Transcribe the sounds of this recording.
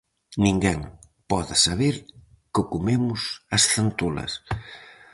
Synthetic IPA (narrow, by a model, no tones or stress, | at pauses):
nĩŋɡɛŋ | pɔðasaβeɾ | kʊkumemʊsɐsθant̪ulɐ̰s